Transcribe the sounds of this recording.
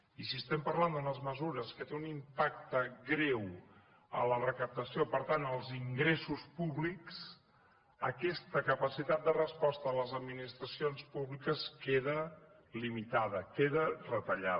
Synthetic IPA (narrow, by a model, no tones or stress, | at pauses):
isiəst̪ɛmpəɾland̪unəzməzuɾəskət̪eunimpak̚t̪əɡɾɛw | ə̰lərəkəp̚t̪əsiopəɾt̪anəlˠziŋɡɾesuspuβliks | əkɛst̪əkəpəsit̪at̪̚d̪ərəspɔst̪əːləzəd̪minist̪ɾəsionspuβlikəskeðə | limit̪aðəkeðərət̪əʎa